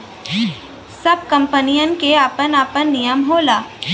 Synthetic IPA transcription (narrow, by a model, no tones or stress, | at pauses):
sɐb̚kɐ̃mpənijənkeaːpənaːpənːijəmɦoːlaː